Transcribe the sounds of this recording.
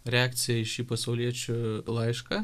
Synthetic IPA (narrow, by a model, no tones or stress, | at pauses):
ɾʲɛɑːkt̪sʲɪjɛɪʃiːpɐsɐʊlʲiɛt͡ʃʲʊlˠɐɪʃkɐ